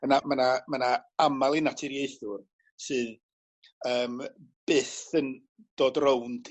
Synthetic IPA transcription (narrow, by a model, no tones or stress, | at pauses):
mənamanamanaamalˠinatʰɪɾjeɨθʊr | sɨːn | əːmb̥ɨːθən | d̥oːdrowntʰ